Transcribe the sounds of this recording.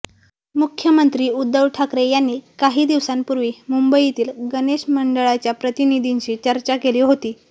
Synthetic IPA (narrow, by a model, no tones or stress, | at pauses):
mukʰjəmənt̪ɾiːud̪ːəʋʈʰakɾejanːiːkaɦiːd̪iʋsanpuɾʋiːmumbəit̪iːlɡəneɕməɳɖəɭat͡ɕjapɾət̪inid̪ʱiɲt͡ɕiːt͡ɕəɾt͡ɕakeliːɦot̪iː